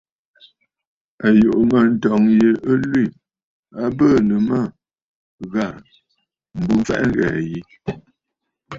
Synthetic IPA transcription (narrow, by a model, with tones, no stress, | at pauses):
a˨jo˨ʔmə˦˨n̩˨tɔ˨ŋje˨ə˦lwi˦˨ | a˦bəː˦˨nə˨mə˦˨ | ɣa˦˨ | m̩˨bu˦fɛ̰˦ʔŋ˦ɣɛ̰ː˨ji˦